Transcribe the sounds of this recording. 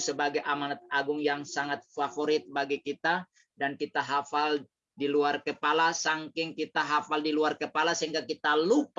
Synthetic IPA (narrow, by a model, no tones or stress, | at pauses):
səbaɡajʔamanat̪̚aɡʊŋjaŋsaŋat̪̚fafoɾɪt̪̚baɡikit̪a | dankit̪aɦafal | diluarkəpalasaŋkɪŋkit̪aɦafaldiluarkəpalasəɦiŋkakit̪alup